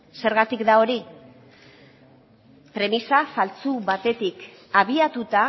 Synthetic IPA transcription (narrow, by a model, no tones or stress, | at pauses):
se̞ɾɣat̪ikd̪ao̞ɾi | pɾe̞misafalt͡suβat̪e̞t̪ik | aβ̞iat̪ut̪a